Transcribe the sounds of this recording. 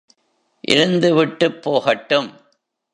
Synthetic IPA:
ʔɪ̰ɾɯnd̪ɯʋɪʈːɯpːoːɣɐʈːɯm

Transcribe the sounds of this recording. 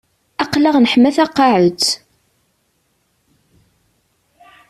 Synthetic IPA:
ɑqlaʁnəħmæθɑqːɑʕət͡sː

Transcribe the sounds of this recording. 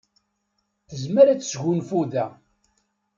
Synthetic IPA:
θəzməɾæt͡sːsʝunfuðæ

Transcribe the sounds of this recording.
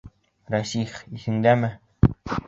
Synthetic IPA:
ɾæsiχiθɘ̆nd̪æmɘ

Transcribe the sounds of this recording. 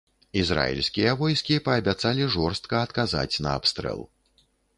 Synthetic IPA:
izɾa̰ḭlʲsʲkʲijɐvɔjskʲipɐːbʲat̪salʲiʐɔrst̪̚kɐːt̪kaza̰t͡sʲnɐa̰pst̪ɾɛ̰lˠ

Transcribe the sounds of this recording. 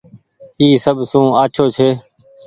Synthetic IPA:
iːsəbʱsũːaːt͡ʃʰoːt͡ʃʰeː

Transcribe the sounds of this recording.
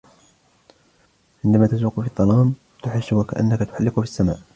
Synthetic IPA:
ʕɪnd̪amaːt̪azuːqʊfid̪ˤːɑlɑːm | t̪ʊħɪʃːʊwaka̰ʔa̰nːakat̪ʊ̥ħalːɪqʊfisːama̰ːʔ

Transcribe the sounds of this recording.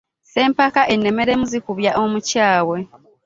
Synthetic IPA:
se̞ːmpakaʔe̞nːe̞me̞ɾe̞muzikuβjaʔomucaːwe̞

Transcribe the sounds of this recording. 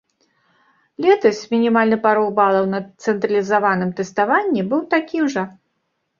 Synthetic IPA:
lʲɛt̪ɐsʲmʲinʲimalʲnɨpaɾɔbalˠɐwnɐt̪sɛnt̪ɾɐlʲizavanɨmt̪ɛst̪avanʲːɛbɨwt̪akʲimʐɐ

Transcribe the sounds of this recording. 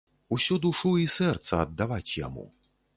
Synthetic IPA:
usʲud̪uʂuisɛrt̪sɐɐd̪ːavat͡sʲja̰mṵ

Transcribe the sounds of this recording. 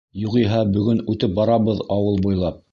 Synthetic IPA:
juqiɦɑbɵ̆ɡɵnʉt̪ɘp̚bɑɾɑβɤðɑwɤlˠbujlˠɑp̚

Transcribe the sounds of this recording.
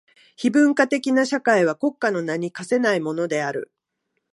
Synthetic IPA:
çibɯ̟̃ŋkat̪e̞kʲinaɕakaiβ̞ako̞kːano̞naɲ̟ikase̞naimo̞no̞d̪e̞aɾɯ̟̰

